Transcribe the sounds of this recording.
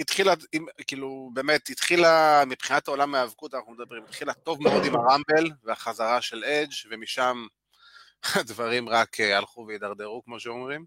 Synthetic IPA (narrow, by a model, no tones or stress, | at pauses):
it̪χilaimkiːlubeːme̞t̪it̪χilamipχinatao̞lamaavkut̪anaχnumed̪abʁimit̪χilat̪o̞vmeod̪imaʁambelveaχazaʁaʃe̞led͡ʒvemiʃam | ad̪vaʁimʁakʰealχuvejid̪aʁd̪e̞ʁukmo̞ʃeo̞mʁim